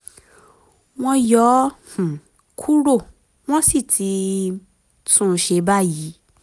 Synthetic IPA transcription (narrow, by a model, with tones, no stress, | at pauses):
w̃ɔ̃˦jɔ˨˦h̩˨ | kʰu˦ɾo˦˨ | w̃ɔ̃˦si˦˨tʰi˧ | tũ˦˨˧ʃe˧˦ba˦ji˨˦